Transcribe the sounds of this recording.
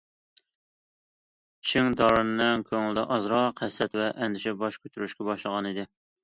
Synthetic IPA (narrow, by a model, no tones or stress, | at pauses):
i̥ʃiŋd̪ɑɾɨnɨnɪŋkʲʰøŋlɪd̪ɛ̰ʔɑzɾɑqʰɛsːɛt̪vɛʔɛnd̪ɪʃɛbɑʃkʲʰøt̪ʰyɾyʃkʲɛbɑʃlˠəʁɑnid̪ɪ